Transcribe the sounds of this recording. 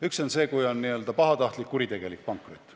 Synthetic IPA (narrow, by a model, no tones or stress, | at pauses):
ykso̞nse̞ːkujo̞nːiø̞ld̪ɑpɑɦɑt̪ɑht̪likːuɾit̪e̞ɡ̥e̞lik̚ːpɑŋkːˑrot̪ːˑ